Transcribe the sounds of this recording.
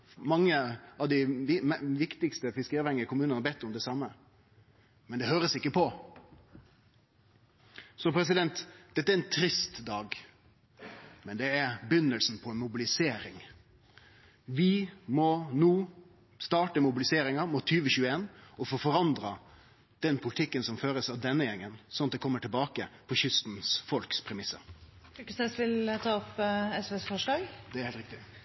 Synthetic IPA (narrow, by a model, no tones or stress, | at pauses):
mɑŋːəɑʋd̪ɪɪmʋɪkt̪ɪkst̪əfɪskəɾɑʋhɛŋəəkʰʊmʉːnnhɑɾbɛt̪ːʊmd̪ɛsɑmːə | mɛnd̪ɛhøːɾəsɪkːəpʰɔ | sɔpʰɾɛs̬ɪd̪ɛnt̪d̪̥ɛt̪ːæɾɛnt̪ʰɾɪst̪d̪ɑːɡ | mɛnd̪ɛæɾbʏnːəlsn̩pʰɔɛnmʊbɪlɪseːɾɪŋ | ʋɪmɔnuː | st̪ɑːʈəmʊbɪlɪseːɾɪŋɑmʊt̪ʰyːʋəɕʉːəeːnɔfoːfɔɾɑnd̪ɾɑ | d̪̥ɛnpʰʊlɪt̪ʰɪkːənsɔmføːɾəsɑʋd̪ɛnːəjɛŋːənsɔnɑt̪d̪ɛkʰɔmːəʈʰɪlbɑːkəpʰɔçʏst̪n̩sfɔlkspʰɾɛmɪsːə̰ɾkːəst̪ɛsʋɪlt̪ʰɑːɔpɛsʋɛsfɔʂlɑːɡd̪̥ɛɾhelt̪ɾɪkt̪ɪ